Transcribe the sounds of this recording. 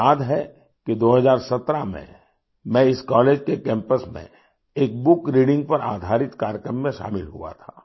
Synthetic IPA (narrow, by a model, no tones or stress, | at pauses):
aːd̪ɦɛ | kid̪oːɦəzaːɾsɐt̪ɾamḛ̃ | mɛ̃ɪskɔːleːd͡ʒkekɛ̃ːmpəsmḛ̃ | eːk̚bʊkɾiːɖɪ̃ŋɡ̚pɐɾa̰ːd̪ʱaːɾɪt̪kaːɾjəkɾəmːẽʃa̰ːmɪlɦṵa̰t̪ʰaː